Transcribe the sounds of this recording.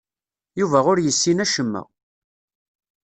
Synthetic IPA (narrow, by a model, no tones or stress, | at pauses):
juvæʁʊɾjəsːinæʃəmːæ̰